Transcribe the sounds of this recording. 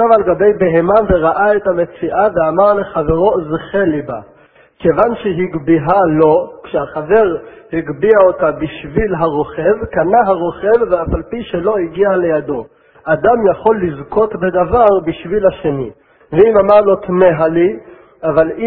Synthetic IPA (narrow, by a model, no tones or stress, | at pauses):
avalɡabe̞jbe̞ɦemaveʁaʔaethame̞t͡siʔaveamaʁleχave̞ʁo̞zχeliba | kevanʃeɦiɡbiɦalo̞kʃehaχave̞ʁhiɡbiaotabiʃvilɦaʁo̞χe̞vkanaɦaʁo̞χe̞vːeafalpiʃelo̞iɡiale̞jado̞ | ʔad̪amjaχo̞lːizko̞t̪bed̪avaʁbiʃvilhaʃeni | veimamaʁlo̞t̪meɦali | avali